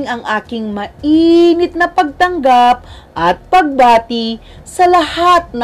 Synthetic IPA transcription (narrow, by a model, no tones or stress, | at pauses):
ŋɐŋʔaːkɪŋmɐʔiːnɪt̪̚nɐpɐɡ̚t̪ɐŋɡap̚ʔɐt̪̚pɐɡ̚baːt̪ɪ | sɐlɐhat̪̚nɐ